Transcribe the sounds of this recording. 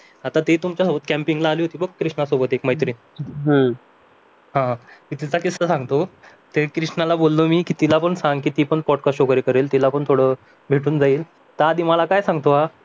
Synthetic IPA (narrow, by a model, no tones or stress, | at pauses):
at̪at̪et̪umt͡ɕjasobət̪kæmpiŋɡlaːliːɦot̪iːbəɡkːɾiʂɳasobət̪ekməɦjt̪ɾiːn | ɦãkit̪it͡sakisəsãŋɡt̪o | t̪ekɾiʂɳalabolːəmiːkiːt̪ilapəɳsaŋɡkiːt̪iːpəɳpɔɖkasʈɕokəɾekəɾelt̪ilapəɳt̪ʰoɽə | bʱeʈʰuːnd͡zaiːl | t̪aːd̪ʱiːməlakajsãŋɡt̪oɦa